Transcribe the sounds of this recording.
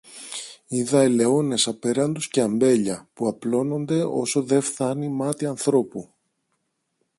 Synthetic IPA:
iðɐele̞o̞ne̞sɐpe̞ɾɐnd̪usce̞ɐmbe̞ʎɐpuɐplo̞no̞nd̪e̞o̞̰so̞ðe̞fθɐnimɐt̪iɐnθɾo̞pu

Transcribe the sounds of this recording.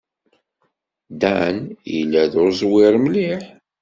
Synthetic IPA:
d̪ænjḭlːæðʊɾzˤwɪɾmliħ

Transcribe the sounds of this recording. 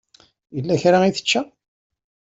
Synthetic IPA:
jəlːæçɾaiθə̥t͡ʃːæ

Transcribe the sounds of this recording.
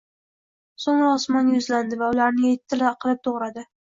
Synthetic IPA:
soŋɾɒsmɒnjʊzland̪ɪvaʊlaɾnɪjet̪ʰːɪlɪqʰɨlˠɪp̚t̪ʰoʁɾad̪ɪ

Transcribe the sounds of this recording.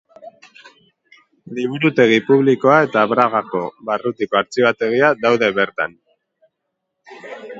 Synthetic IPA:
liβ̞uɾut̪e̞ɣ̞ipuβliko̞ae̞t̪aːβɾaɣako̞βarut̪ikoaɾt͡siβat̪e̞ɣ̞iaðawðe̞βe̞ɾt̪a̰n

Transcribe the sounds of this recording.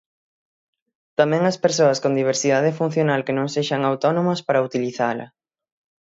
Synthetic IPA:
t̪amɛ̃ŋɐspeɾsoɐskõnd̪iβ̞eɾsiðaðɪfun̟θjonalkenõŋseʃɐŋawt̪ɔnõmɐspaɾɐut̪iliθalɐ̰

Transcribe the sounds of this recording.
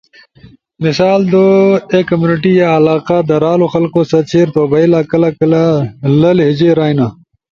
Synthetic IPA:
misaːld̪oekːɐmjuːniʈijaɐlaːqad̪ɐɾaːloxɐlqosɐt͡ɕʰeːɾt̪oːbɐilakɐlɐkɐlalɐlɦid͡ʑeɾaːina

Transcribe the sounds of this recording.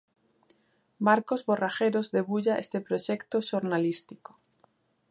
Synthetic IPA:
maɾkozβoraxeɾozðeβuʎaest̪epɾoʃekt̪oʃoɾnalist̪iko̥

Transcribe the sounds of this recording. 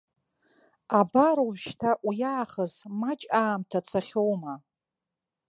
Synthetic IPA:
abaɾoʃtʰaʔujaːχəzmat͡ʃʼaːmtʰat͡sʰaχʲowma

